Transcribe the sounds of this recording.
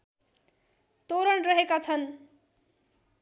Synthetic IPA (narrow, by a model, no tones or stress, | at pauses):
t̪oɾʌɳrʌɦekat͡sʰʌn